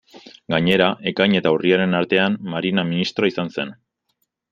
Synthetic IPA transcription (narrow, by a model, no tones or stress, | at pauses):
ɡaɲe̞ɾaʔe̞kajɲe̞t̪auriaɾe̞naɾt̪e̞ammaɾinaminist̪ɾoaisanse̞n